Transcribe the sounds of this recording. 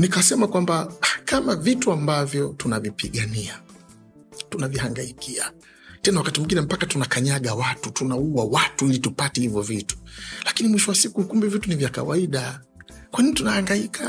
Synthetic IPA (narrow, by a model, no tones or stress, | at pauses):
nikasɛmakwambakamavituambavjɔtunavipiɠania | tunavihaŋɡaikia | tɛnawakatimuŋɡinɛm̩pakatunakaɲaɠawatutunauwawatuilitupatɛhivɔvitu̥lakinimwiʃɔwasikukumbɛvitunivjaka̰waiɗa | kwanintunahaŋɡaikʰa